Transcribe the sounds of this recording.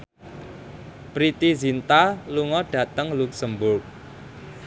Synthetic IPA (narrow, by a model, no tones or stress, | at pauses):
pɾit̪izint̪aluŋɔɖ̥ä̤t̪əŋluksəmbʊrk̚